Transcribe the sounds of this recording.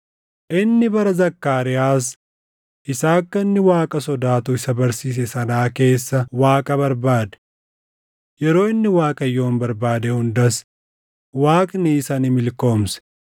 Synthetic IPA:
ʔɪnːɪbɐɾɐzɐkːaːɾɪjaːs | ʔɪsaːkːɐɪnːɪwaːkʼɐsɔd̪aːt̪ʊɪsɐbɐɾsiːs̬ɛsɐnaːke̞ːsːɐwaːkʼɐbɐɾbaːd̪ɛ̥ | jɛɾo̞ːɪnːɪwaːkʼɐjo̞ːnbɐɾbaːd̪ɛhʊnd̪ɐs | waːkʼniːsɐnɪmɪlko̞ːmsɛ̥

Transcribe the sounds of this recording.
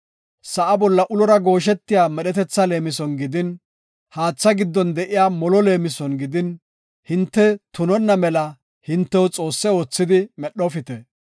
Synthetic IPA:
sɐʔɐbɔlːɐʔʊlɔɾɐɡo̞ːʃ̬ɛt̪ːɪjaːmɛɗɛt̪ɛt͡sːɐle̞ːmɪsɔnɡɪd̪ɪn | haːt͡sːɐɡɪd̪ːɔnd̪ɛʔɪjaːmɔlɔle̞ːmɪsɔnɡɪd̪ɪn | hɪnt̪ːɛt̪ʊnɔnːɐmɛlɐ | hɪnt̪ːɛwɔt͡sʼo̞ːsːɛo̞ːt͡sːɪd̪ɪmɛɗːɔfɪt̪ɛ

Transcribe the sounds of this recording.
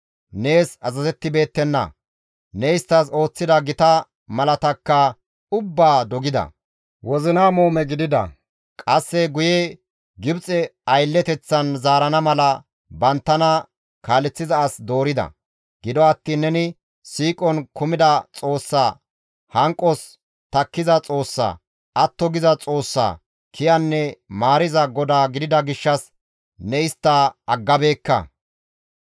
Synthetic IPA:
ne̞ːsɐzɐzɛt̪ːɪbe̞ːt̪ːɛnːɐ̰ | nɛjst̪ːɐs̬o̞ːt͡sːɪd̪ɐɡɪt̪ɐ | mɐlɐt̪ɐkːɐ | ʊbːaːd̪ɔɡɪd̪ɐ̰ | wɔzɪnaːmoːmɛɡɪd̪ɪd̪ɐ̰ | kʼɐsːɛɡʊjɛ | ɡɪbt͡sʼɛɐjlːɛt̪ɛt͡sːɐnzaːɾɐnɐmɐlɐ | bɐnt̪ːɐnɐ | kaːlɛt͡sːɪzɐːsd̪o̞ːɾɪd̪ɐ̰ | ɡ̥ɪd̪ɔɐt̪ːiːnːɛnɪ | siːkʼɔnkʊmɪd̪ɐt͡sʼo̞ːsːaː | hɐŋkʼːɔs | t̪ɐkːɪzɐt͡sʼo̞ːsːa̰ː | ɐt̪ːɔɡɪzɐt͡sʼo̞ːsːa̰ː | kʰɪjɐnːɛmaːɾɪzɐɡɔd̪aːɡɪd̪ɪd̪ɐɡɪʃːɐs | nɛɪst̪ːaːɐɡːɐbe̞ːkːɐ̰

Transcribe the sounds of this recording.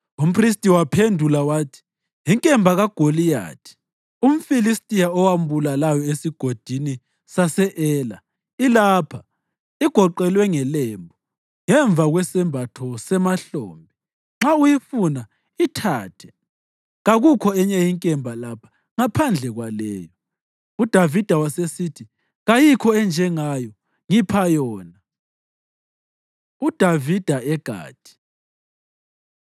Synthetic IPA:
um̩pʰristʼiwapʰendʱulawaːtʰi̥ | jiŋkʼɛmbʱaɣaɡ̥ʱolija̰ːtʰi̥ | um̩filistʼijaɔwam̩βulalajɔesiɡ̥ʱod̥ʱini | sasɛʔɛːla̰ | ilaːpʰa | iɡ̥ʱɔǃɛlwɛŋɛlɛːmbʱɔ | ŋɛɱb̪vʱaɣwɛsɛmbʱatʰɔsɛmaɬo̰ːmbʱi | ŋ͡ǁaujifuna | itʰaːtʰɛ | ɣaɣukʰɔɛɲɛjiŋkʼɛmbʱalapʰḁ | ŋapʰand͡ɮʱɛɣwalɛːjɔ | ud̥ʱavid̥ʱawasesitʰi | ɣajikʰɔɛnd͡ʒʱɛŋajɔ | ŋipʰajɔːna | ud̥ʱavid̥ʱaɛɡ̥ʱa̰ːtʰʼi̥

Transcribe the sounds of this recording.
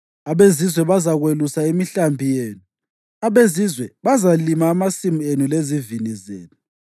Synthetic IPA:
aβezizwɛβazaɣwelusaimiɬambʱijeːnu | aβezizwɛβazalimaːmasimuenulezivinizḛːnu

